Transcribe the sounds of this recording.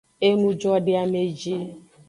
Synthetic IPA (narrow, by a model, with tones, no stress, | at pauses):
e˦mu˦d͡ʒɔ˦dɪ˦a˦me˦d͡ʒi˦